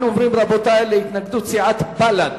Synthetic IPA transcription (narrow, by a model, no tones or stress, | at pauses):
nʕʊmɾimɾˤɑbot̪alɪjɪt̪naɡd̪usiʕat̪balan